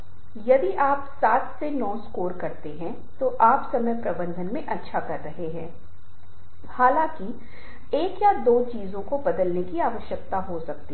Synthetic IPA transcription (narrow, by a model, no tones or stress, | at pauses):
jɐd̪iʔaːpsaːt̪ʰsenɔːskoːɾkɐɾt̪eɦɛ̃ | t̪oʔaːpsɐməjpɾɐbə̃nd̪ʱənmẽʔɐtːʃʰakɐɾːɐɦeɦɛ̃ː | haːlãːki | eːkjad̪oːt͡ʃiːzõkobɐd̪əlnekiaːʋəʃjək̚t̪aɦosɐk̚t̪i